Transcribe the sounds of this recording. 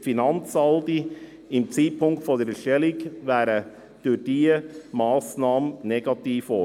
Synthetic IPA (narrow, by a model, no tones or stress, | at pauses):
finɑnt͡sɑldi | ɪmt͡siːtpʰʊŋktfod̪əɾʃtɛlɪkʋæːɾə | d̥yd̥iːəmɑːsnɑːmənnɛɡ̥ɑt̪iːfo